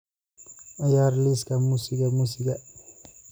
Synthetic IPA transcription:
ajaɾliskamusikamusika

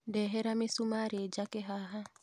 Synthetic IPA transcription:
dɛɦɛɾamɪsumaɾed͡ʒakɛɦaɦa

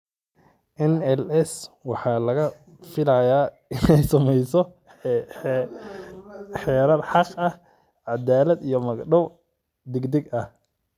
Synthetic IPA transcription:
ʔɛnɛlɛswɑħɑːlɐɣɐ | fɪlajaː | ɪnɛjsɐmɛjsɔ | ħɛːɾɐrħɑqɐh | ʕɑd̪aːlɐd̪ijɔmɐɡɖɔw | d̪ɪɡd̪ɛɡɐh

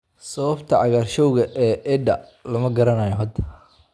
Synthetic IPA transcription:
sɐβɐbt̪ʰɐʕɑɣaːrʃɔwɣɐʔɛːʔɛd̪ɐ | lɐmɐɡɐɾɐnaːjɔɦɐd̪

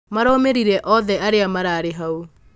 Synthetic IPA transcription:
maɾoːmeɾiɾɛʔɔðɛaɾeamaɾaːɾeɦau

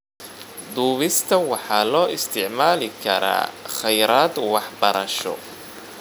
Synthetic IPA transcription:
d̪uːβɪst̪ʰɐwɑħɑːlɔːɪst̪ʰɪʕmaːlɪkʰɐɾa̰ːχɛjɾaːd̪wɑħbɐɾɐʃɔ̰

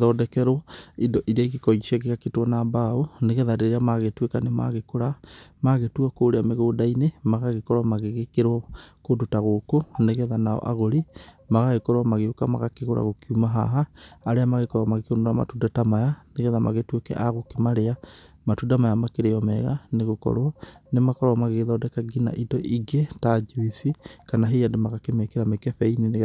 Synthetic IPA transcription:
ðɔdɛkɛɾɔidɔʔiɾeaiɣekɔiʃiaɣeɣaketwanambaoneɣɛðaɾeeɾeamaɣetwekanema̰ɣekoɾamaɣetuakoːɾeameɣoːdainemaɣaɣekɔɾwamaɣeɣekeɾwɔkodotaɣokoneɣɛðanaɔ̰ʔaɣoɾi | maɣaɣekɔɾwamaɣeokama̰ɣakeɣoɾa̰ɣokiumaɦa̰ɦaːɾeamaɣekɔɾwamaɣekeonoɾama̰tudatamajaneɣɛðama̰ɣetwekɛ̰ʔaɣokemaɾea | matudamajamakeɾeɔmɛɣaneɣokɔ̰ɾwɔnemakɔɾwamaɣeɣeðaodɛkaɡina̰ʔidɔʔiɡetad͡ʒuisikanaɦejandomaɣakemekeɾamekɛfɛinene

